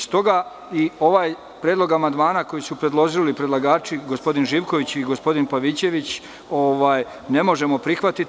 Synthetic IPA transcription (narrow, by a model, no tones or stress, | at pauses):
st̪o̞ɡa | io̞ʋaːj | pɾjed̪lˠo̞ɡamand̪maːnako̞jisupɾe̞d̪lˠo̞ʒilipɾed̪laɡaːt͡ʃiɡospo̞d̪inʒiːʋko̞ʋit͡ɕiɡo̞spo̞d̪inpaʋit͡ɕe̞ʋit͡ɕ | o̞ʋaːj | ne̞mo̞ʒe̞mopɾixʋat̪it̪